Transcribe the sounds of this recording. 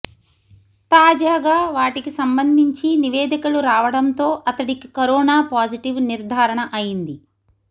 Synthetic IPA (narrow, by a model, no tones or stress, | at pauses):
t̪aːd͡ʒaːɡaːʋaːʈikisɐmbɐnd̪ʱiɲt͡ʃiniʋeːd̪ikɐluɾaːʋɐɽɐnt̪o̞ːʔɐt̪ɐɽikikɐɾɔːnaːpaːd͡ʒiʈiʋniɾd̪ʱaːɾɐɳɐʔɐjind̪i